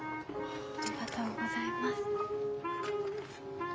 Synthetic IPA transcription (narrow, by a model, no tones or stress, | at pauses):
akat̪aβaɡo̞zaemasɨ̥